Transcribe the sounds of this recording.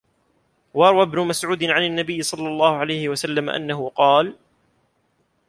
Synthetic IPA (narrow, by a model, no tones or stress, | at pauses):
wɑɑɾˤwabnʊmasʕuːd̪ɪnʕananːabɪjːɪsˤɑlːɑlˤːɑːhʊʕalajhɪwasalːamaʔa̰nːaɦʊqɑːl